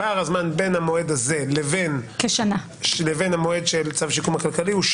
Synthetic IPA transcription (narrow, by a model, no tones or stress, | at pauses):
aʁazmanbe̞nhamoed̪aze̞leve̞nkeʃana | ʃlevenhamoe̞dʃelt͡savʃikumakalkaliuʃ